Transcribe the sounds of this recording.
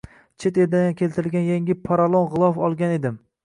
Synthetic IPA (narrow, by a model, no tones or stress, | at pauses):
t͡ʃʰet̪eɾd̪aankʲʰe̞lt̪ɪɾɪlɡʲanjaŋʲɪpʰaɾalˠonʁɨlˠɒfɒlˠɡʲane̞d̪ɪm